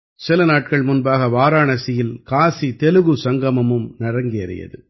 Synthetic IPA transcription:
sɪlɐnaːʈ̚kɐɭmʊnbaːɣɐʋaːɾaːɳɐsɪjɪlkaːsit̪ɛlɯɣɯsɐŋɡɐmɐmɯmnɐɾɐŋɡɪɐ̰ɾɪ̰jɐ̰ðɯ̰

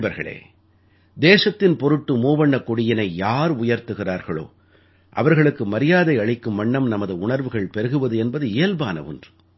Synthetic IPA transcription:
bɐɾɣɐɭḛː | d̪eːsɐt̪ːɪnpɔɾɯʈːɯmuːʋɐɳːɐkːɔɽɪjɐnɐɪjaːɾʊjɐɾt̪ɯɣɪraːɾɣɐɭo̰ː | ʔɐ̰ʋɐɾɣɐɭɯkːɯmɐɾɪjaːðɐɪɐɭɪkːɯmːɐɳːɐmnɐmɐðɯʊɳɐɾʋɯɣɐɭpɛɾɯɣɯʋɐðɯɛnbɐðɯɪjːlbaːnɐ̰ʋɯ̰ndr

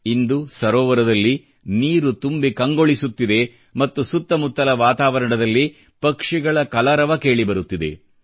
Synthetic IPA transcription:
ind̪usɐɾɔːʋɐɾɐd̪ɐlːi | niːɾut̪umbikɐŋɡo̞ɭisut̪ːid̪e̞ | mɐt̪ːusut̪ːɐmut̪ːɐlɐʋaːt̪aːʋɐɾɐɳɐd̪ɐlːi | pɐkʂiɡɐɭɐkɐlɐɾɐʋɐke̞ːɭibɐɾut̪ːid̪e̞̰

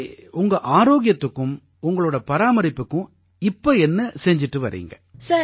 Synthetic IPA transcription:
ʊŋɡɐʔaːɾoːɣɪjɐt̪ːɯkːɯ̃m | ʊŋɡɐɭoːɽɐpɐɾaːmɐɾɪpːɯkːʊ̃ | ɪpːoːɛnːɐsɛɲd͡ʒɪʈːɯʋɐɾḭːŋɡɐsɐ

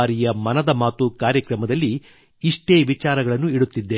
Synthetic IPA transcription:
ɾijɐmɐnɐd̪ɐmaːt̪ukaːɾjɐkɾɐmɐd̪ɐlːi | iʂʈe̞ːʋit͡ʃaːɾɐɡɐɭɐnːuiɽut̪ːid̪ːe

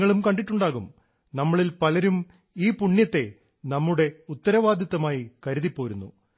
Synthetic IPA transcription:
ɐɭumkɐɳɖiʈːuɳɖaːɣum | nɐmːɐɭilpɐlɐɾum | iːpuɳːjɐt̪ːe̞ | nɐmːuɽe̞ut̪ːɐɾɐʋaːd̪jɐt̪ːɐmaːjikɐɾuðipːoːɾunːṵ

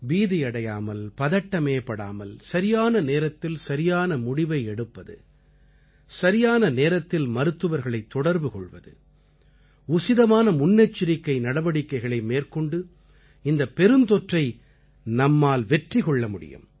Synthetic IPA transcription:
ʋiːðɪɐɽɐjaːmɐlpɐðɐʈːɐmeːpːɐɽa̰ːmɐlsɐɾɪjaːnɐneːɾɐt̪ːɪlsɐɾɪjaːnɐmʊɽɪʋɐɪɛɽɯpːɐðɯ̰ | sɐɾɪjaːnɐneːɾɐt̪ːɪlmɐɾɯt̪ːɯʋɐɾɣɐɭɐɪt̪ːɔɽɐɾbɯkɔ̰ɭʋɐ̰ðɯ̰ | ʊsɪðɐmaːnɐmʊnːɛt͡ʃːɪɾɪkːɐɪnɐɽɐʋɐɽɪkːɐɪɣɐɭɐɪmeːrkɔɳɖɯ | ɪnd̪ɐpɛɾɯnt̪ɔʈrɐɪ | nɐmːaːlʋɛʈrɪkɔɭːɐmʊɽɪ̰jɯ̰m

